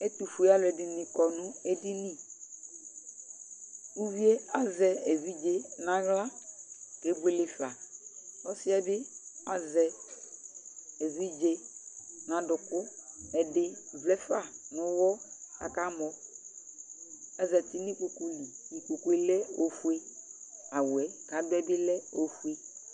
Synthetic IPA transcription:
ɛ˦tu˨fu˨e˨˦a˦lʊ˨ɛ˨dɪ˨nɪ̃˨kɔ˨nʊ̃˦e˦di˦nĩ˦ | u˦vi˦e˦a˦zɛ˨e˨vi˦d͡ʒe˨nã˨ɣla˦ke˨˦bu˦e˨le˨fla˨ɔ˦sɪ˦ɛ˦bɪ˦a˨zɛ˨ | ɛ˨vi˦d͡ʒe˨nã˨dʊ˨kʊ˦ɛ˨dɪ˦vlɛ˦fa˦˨nʊ˨˦wɔ˦ka̰˨ka˦mɔ˨ | a˦zɛ˨ti˦ni˦ko˨ku˦li˨ni˨ko˨ku˦e˦lɛ˦o˨fu˦e˦ | a˨wwɛ˨ka˨˦bɛ˦bɪ˦lɛ˦o˨fu˦e˦

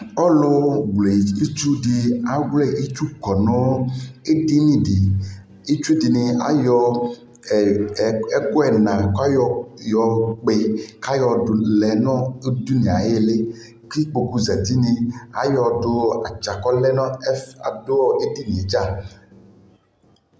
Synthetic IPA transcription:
ɔ˦lo˦wle˨i˦t͡ʃu˦ɖi˨a˦wle˦˨ʔi˦t͡ʃu˦kɔ˨nɔ̃˦e˦di˦nĩ˨ɖi˨ | i˦t͡ʃu˦di˨nĩ˨a̰˦jɔ˦˨ | ɛ˦ko˦ɛ˨nã˨ka˦jɔ˨jɔ˨k͡pe˨ka˦jɔ˨o˨lɛ˨nɔ̃˦du˦nĩ˨a˨˦e˦le˦ | ki˦k͡po˨ku˦za˨t̪i˦nĩ˨a̰˦jɔ˨ɖo˦a˨t͡ʃa˨kɔ˦lɛ˦nɔ̃˦fa̰˨do˦wɔ˦ʔe˦di˦nĩ˨d͡ʒa˦˨

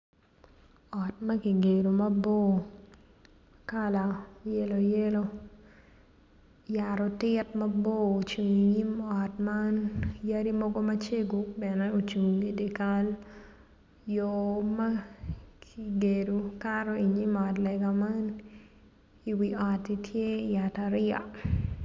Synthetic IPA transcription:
ɔ˨t̚mɐ˦ki˨ɡe˨ɾo˨mɐ˦bo˦ | ka˦la˨jɛ˦lo˨jɛ˦lo˦ | ja˨ɾɔ˨tɪ˦tmɐ˦bo˦o˨t͡ʃu˨ŋi˨ɲi˦mɔ˨tma˦nja˦ɾi˦mɔ˦ɡo˦mɐ˦t͡ʃe˦ɡobɛnɛo˨t͡ʃu˨ŋe˨de˨ka˦l | jo˨ma˦kʰi˨ɡe˨ɾo˨kaɾɔ˦i˨ɲi˦mɔ˨tlɛɡa˨ma˦n | i˨wiɔ˨ti˦tʰje˦ja˨ta˨ɾja̰˨

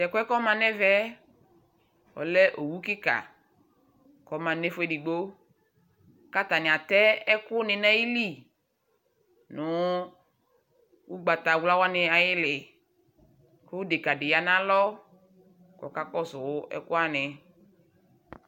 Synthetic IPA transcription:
tɛ˨kʊ˦ɛ˦kɔ˦mã˨nɛ˦vɛ˦ | wɔ̰˨lɛ˦ʔo˨wu˦kɪ˦ka̰˨ | kɔ˨˦mã˨ne˦fʊ˦ɛ˨di˨ɡ͡bo˦ | ka˦t̪a˨nɪ˨a˨t̪ɛ˦ɛ˦kʊ˦nɪ˨nã˦ji˦li˦˨ | nʊ˨˦ | wu˦ɡ͡ba˨t̪a˨wla˦wa˦nɪ˨a˨jɪ˦lɪ˨ | kʊ˦wdɪ˨ka˨dɪ˨ja˨nã˦lɔ˦ | kɔ˨ka˦kɔ˦zʊ˨wɛ̰˦kʊ˦a˦nɪ˨

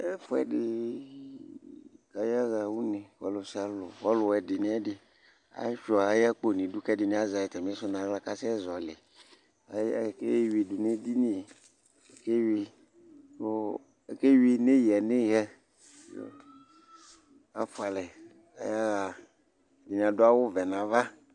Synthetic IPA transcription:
ɛ˦fʊ˦ɛ̰˨dɪ˦ | ka˨ja˦ɣa˨wu˦ni˨wɔ̰˨˦lʊ˨si˦a˦lʊ˨wɔ˦lʊ˨wɛ˨dɪ˨nɪ˦ɛ˦dɪ˦ | a̰˨˦ʃɔ˨a˨a˦ja˦k͡po˦˨nĩ˨du˦kɛ˦dɪ˨nĩ˨˦a˦za˨jɛ˨tɛ˨mi˦sʊ˦nã˨˦la˦ka˦sɪ˦ɛ˦zɔ˨lɪ˨ | a˨˦˨ke˦wi˨du˨ne˦di˦ni˦˨ | ke˦wi˧ | to˦˨ | ke˦wi˨ne˦ji˨ɛ˨ne˦˨ɣɛ˦ | o̰˦ | a˨fʊ˦a˨lɛ˨ | ka̰˨ja˦ɣa˨ | di˨nĩ˨a˨dʊ˦a˦wʊ˦vɛ˨nã˨va˦

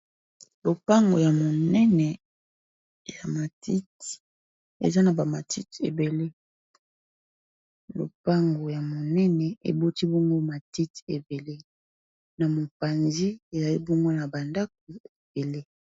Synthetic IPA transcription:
lo˨pa˦ŋɡo̰˨ja˨mo˨nɛ˦nɛ˨ | ja˨ma˨ti˦t | ḛ˨za˦na˨ba˨ma˨ti˦tḛ˨be˨le˦ | lo̰˨pa˦ŋɡo˨ja˨mo˨nɛ˦nɛ˨ḛ˨bo˦ti˦bo˦ŋɡo˦ma˨ti˦te˨be˨le˦ | na˨mo˨pa˨nzi˦e˨za˨li˦bo˦ŋɡo˦na˨ba˨nda˦k̚o˨e˨b̥e˨le˦

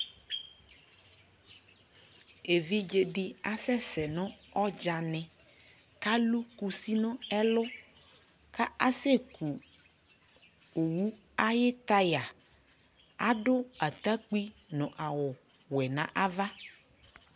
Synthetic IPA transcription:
e˨vi˦d͡ʒe˨ɖi˦a˨sɛ˦sɛ˨nɔ̃˦ɔ˦d͡ʒa˨nɛ̃˨ | ka˦lu˦ku˨si˦nɔ̃˦ɛ˦lʊ˦ | ka˦a˦se˦kʰu˨ | o˨wu˦ | a˦jɪ˦t̪a˦ja˨ | a̰˦ɖʊ˦a˨t̪a˦k͡pi˦nɔ̃˨ʔa˨wʊ˨ | wɛ˨nã˨ʔa˦va˦

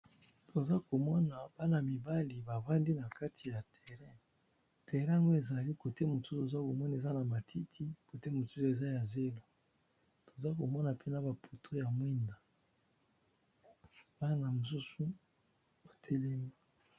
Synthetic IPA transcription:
tʰo˨za˦ko˨mɔ˦na˨ba˦na˨mi˨ba˦li˨ba˨va˦ndi˦na˨ka˦tʰi˨ja˨tʰɛ˨ʁɛ˦ | tɛ˨ʁɛ̃˦a˨ŋɡo˦e˨za˨li˦ko˨te˦mo˨su˦su˨o˨za˦ko˨mɔ˦na˨e˨za˦na˨ma˨tʰi˦tʰi˦ko˨te˦mo˨su˦su˨e˨za˦ja˨ze˦lo˦ | to˨za˦ko˨mɔ˦na˨pe˦na˨ba˨pʰo˨tʰo˦ja˨mwi˦nda˨ | ba˦na˨mo˨s̬u˦su˦ | ba˨tʰe˦lɛ˦mi˦

